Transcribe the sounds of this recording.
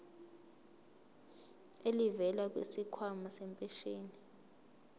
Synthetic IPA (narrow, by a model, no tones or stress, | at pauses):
elivɛlak̬wḛsikʰwamasɛmpʼɛʃeːni